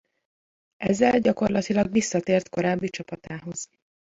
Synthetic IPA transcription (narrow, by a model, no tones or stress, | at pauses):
ʔɛzːɛlɟɒko̞rlɒt̪ilɒɡʋisːɒt̪eːrt̪ko̞ɾaːbːit͡ʃɒpɒt̪aːɦo̞z̥